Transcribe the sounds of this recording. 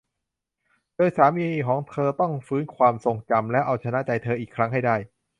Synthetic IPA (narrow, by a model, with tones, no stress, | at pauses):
doː˧jsaː˩˦miː˧kʰɔː˩˦ŋt̪ʰɤː˧t̪ɔ˥˩ŋfɯː˦˥nkʰwaː˧mso˨˩ŋt͡ɕa˧mlɛ˦˥ʔa˧wt͡ɕʰa˧na˦˥ʔt͡ɕa˧jt̪ʰɤː˧ʔiː˨˩kʰɾa˦˥ŋɦa˥˩jda˥˩j